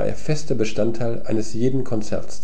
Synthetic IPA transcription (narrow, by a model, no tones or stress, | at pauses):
ʔḛːɐfɛstɐbəʃtantʰaɪlʔaɪnəsjeːdn̩kʰɔnt͡sɛ̰ɐts